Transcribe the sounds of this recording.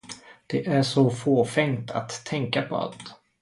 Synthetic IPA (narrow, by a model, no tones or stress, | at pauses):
d̪̥ɛʔæʂɔfoːfɛŋt̪ʰa̰t̪ʰːɛŋkapʰɔ̰a̰t̪